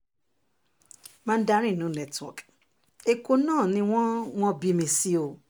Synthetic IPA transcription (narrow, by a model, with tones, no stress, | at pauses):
mã˦˧n̩˦da˧˦ɾĩ˦˨nũ˨˦nɛ˨tɔ̰˨k | e˧ko˧nãː˦˨nĩ˧w̃ɔ̃˦w̃ɔ̃˦bi˧mĩ˧si˦o˧